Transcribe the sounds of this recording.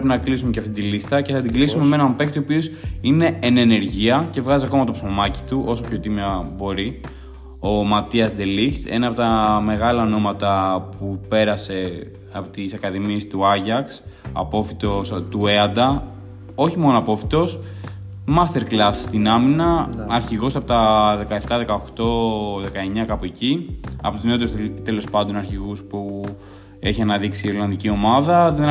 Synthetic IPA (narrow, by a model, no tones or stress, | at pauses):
epinɐklisumecɐft̪it̪ilist̪ɐce̞θɐt̪iɡlisume̞meenɐmpekt̪opiosine̞enene̞ɾʝiɐce̞vɣɐziɐko̞mɐt̪opsomɐci̥t̪uʔo̞so̞pço̞t̪imɐbo̞ɾi | o̞mɐt̪iɐzd̪e̞lixt̪e̞̰nɐpo̞t̪ɐme̞ɣɐlɐono̞mɐt̪ɐpupe̞ɾɐse̞ | ɐpot̪isɐkɐðimiest̪uɐʝɐksɐ̰po̞fit̪o̞st̪ue̞ɐnd̪ɐ | o̞çimo̞noɐpo̞fi̥t̪o̞s | mɐst̪eɾklɐsst̪inɐminɐɐɾçiɣosɐpot̪ɐðe̞kɐe̞ft̪ɐðe̞kɐo̞xt̪o̞ðe̞kɐe̞ɲɐkɐpoe̞ciɐ̰po̞t̪uzneo̞t̪eust̪e̞lo̞spɐnd̪o̞nɐɾçiɣuspu | e̞çiɐnɐðiksiːolɐnðicio̞mɐðɐðe